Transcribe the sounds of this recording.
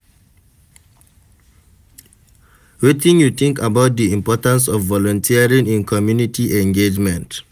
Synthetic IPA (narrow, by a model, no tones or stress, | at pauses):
wetĩnjut̪ĩŋkabaʊt̚diĩmpɔtãns̬ɔvːɔlɔ̃ntʰiaɹĩnĩnkʰɔmjunitiʔɛ̃ŋɡed͡ʒmɛ̃nt